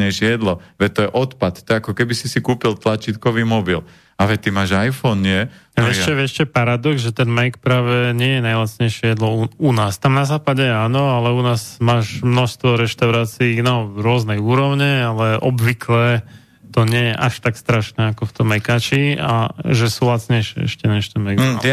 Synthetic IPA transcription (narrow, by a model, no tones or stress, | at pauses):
ɛʃɛjɛd̪lɔʋɛt̪ɔjɛʔɔt̪pat̪t̪ɔjɛakɔkɛbisisikuːpilt̪lat͡ʃiːt̪kɔʋiːmɔbil | aʋɛt̪imaːʒajfɔnɲɪɛɛʃɛʋɛʃt͡ʃɛpaɾad̪ɔɡzʒɛt̪ɛnmɛkpɾaːʋɛɲɪɛjɛnajlasɲɛjʃɪɛjɛd̪lɔuunaːst̪amnazaːpaɟɛaːnɔalɛunaːzmaːʒmnɔʃst̪ʋɔɾɛʃt̪aʊɾaːt͡siinaɾʊɔznɛjuːɾɔʊɲɛalɛʔɔbʋikʰlɛ | t̪ɔɲɪɛjɛʔaʃt̪akst̪ɾaʃnɛakɔft̪ɔmːɛkaːt͡ʃia̰ʒɛsulat͡sɲɛjʃɛ̰ɛ̰ʃcɛnaʃt̪ɛnmɛɡ